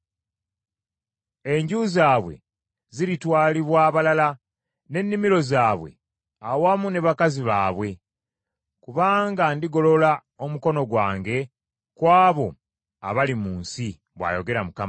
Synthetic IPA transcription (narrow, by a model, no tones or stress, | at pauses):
e̞ɲɟuzaːβwe̞̰ | ziɾitwaːliβwaːβalala | ne̞nːimiɾo̞zaːβwe̞̰ | awamune̞βakaziβaːβwe̞ | kuβaːŋɡandiɡo̞lo̞la | o̞muko̞no̞ɡwaːŋɡe̞ | kwaːβo̞ | a̰βalimuːnsi | βwa̰jo̞ɡe̞ɾamukam